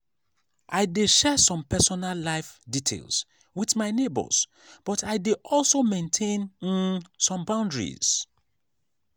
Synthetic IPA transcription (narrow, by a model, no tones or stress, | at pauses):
ʔaɪdeʃɛsɔ̃mpɛsɔnalːaɪfditʰḛlˠs | wiðmaɪnebə̰s | b̥ɔtʰaɪdeʔɔlˠsomẽntʰẽn | sɔ̃mbãʊ̃ndɹḭz̥